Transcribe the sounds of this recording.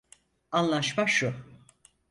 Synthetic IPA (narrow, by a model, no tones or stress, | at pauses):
anlˠaʃmaʃu